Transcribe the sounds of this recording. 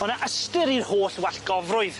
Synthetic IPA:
hʊnaʔəstɪɾirhoːɬwɛɬɡ̥ɔvrʊɨð

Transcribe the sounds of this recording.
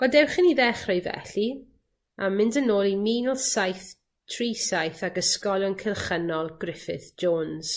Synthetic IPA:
ɡ̥ɔdɛwχəniðɛχrɔjvɛ̰ɬi | amɪndənoːlˠimiːnəlˠsajθ | tʰriːsajθakəskɔljɔnkʰɪlˠχənɔlˠɡrɪfɪ̰θd͡ʒoːnz̥

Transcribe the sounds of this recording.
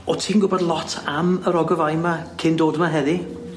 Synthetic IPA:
ɔtʰiːnɡʊbɔdlˠɔtʰaməɾɔɡɔvajmakʰɪndoːdmaɦɛði

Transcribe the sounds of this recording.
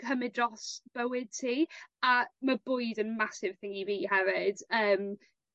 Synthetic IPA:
kʰəmɪdrɔsb̥əwɪd̥̚tʰiːaməbʊjdənmasɪv̥θɪŋiviːhɛvɪd̥əːm

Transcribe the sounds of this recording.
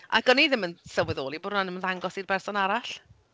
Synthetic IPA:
ʔa̰ɡɔniðɪmənsəwɪðoːlˠibɔdnanəmənðaŋɡɔsirbɛrsɔnaɾaɬ

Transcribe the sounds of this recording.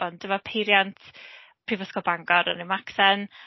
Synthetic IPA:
ɔnd̥əmapʰejɾjantʰ | pʰriːvəskɔbaŋɡɔɾə̰nimaksɛn

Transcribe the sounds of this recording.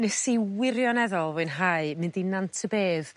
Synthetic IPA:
nɛsiwɪɾjɔnɛðɔlˠvʊnɦaɨmɪndinantʰəbeːð

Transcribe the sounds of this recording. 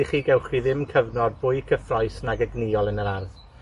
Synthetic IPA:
iχiːɡɛwχiðɪmkʰəvnɔd̚bʊɨkʰəfrɔjsnaɡəɡnɪɔlˠənəɾarð

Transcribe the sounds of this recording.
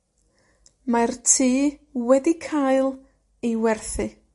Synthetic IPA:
martʰiːwɛdikʰajlˠ | ejwɛrθɨ

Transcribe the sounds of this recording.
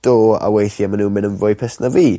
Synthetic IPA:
d̥oːa̰wejθjamanuːmɪnənvʊɨpʰɛsnaviː

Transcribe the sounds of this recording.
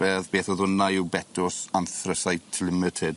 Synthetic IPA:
ɛðbeːθɔðʊnajɪwbɛtʰʊsanθrəsajtʰlˠɪmətʰɪd̥

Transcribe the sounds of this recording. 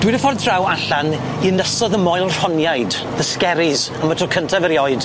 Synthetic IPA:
d̥wɪdəfɔrdrawaɬan | inəsɔðəmɔjlˠr̥ɔnjajd | ðəskɛɾɪz | amətʰɔkʰəntʰavəɾjɔɨd̥

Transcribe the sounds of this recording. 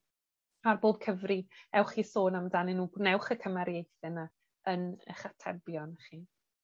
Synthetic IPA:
arboːb̥kʰəvriɛwχiːsoːnamdaninuːɡnɛwχəkʰəmaɾjejθɛna | ənə̰χatʰɛ̰bjɔnχiː

